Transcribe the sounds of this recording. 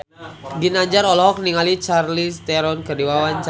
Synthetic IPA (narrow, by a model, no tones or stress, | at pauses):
ɡinaɲd͡ʒaɾɔlɔɦɔk̚niŋalit͡ʃarlist̪ɛɾɔnkədiwawant͡ʃ